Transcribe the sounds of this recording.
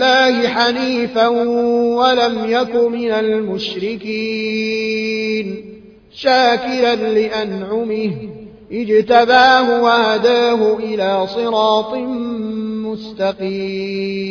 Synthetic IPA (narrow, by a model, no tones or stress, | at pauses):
lːaːhɪħaniːfawalamjakʊmɪnalmʊʃɾɪkiː | n | ʃaːkɪlanlɪʔanʕʊmɪh | ʔɪd͡ʒt̪abaːɦʊwahad̪aːɦʊʔɪlaːsˤɨɾɑːt̪ˤɨ | mʊst̪ɑqiː